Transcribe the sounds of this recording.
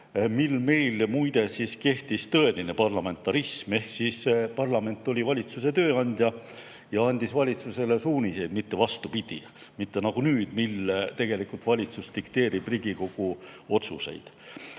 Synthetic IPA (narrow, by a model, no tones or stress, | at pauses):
milme̞jlmujd̪̥e̞siske̞ht̪ist̪ɤe̞line̞pɑrlɑme̞nt̪ːˑɑɾisme̞hksiːsepɑrlɑme̞nt̪ːˑolʲivɑlʲit̪suse̞t̪ø̞ːɑnʲd̪̥ʲjɑ | jɑɑnʲd̪̥isvɑlʲit̪suse̞le̞suːnʲise̞jd̪mit̪ːe̞vɑst̪upid̪̥ḭ | mit̪ːe̞nɑɡ̥unyːd̪̥milt̪e̞ɡ̥e̞likult̪vɑlʲit̪sust̪ikt̪e̞ːɾib̥riɡiko̞ɡ̥uo̞t̪suse̞̰jd̪̥